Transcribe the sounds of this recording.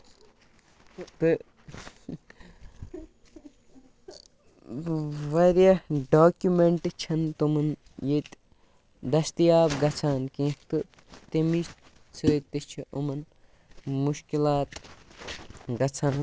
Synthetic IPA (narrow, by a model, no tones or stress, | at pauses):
t̪ɨ | ʋɐɾjɐɖoːkjumeɳʈt͡ʃʰɐnt̪umɐn | jet̪ | d̪ɐst̪ijaːbɡɐt͡sʰaːnkĩːt̪ɨ | t̪imis | t͡sʰut̪ːɨt͡ʃʰiʔumɐn | muʃkilaːt̪ | ɡɐt͡sʰaːn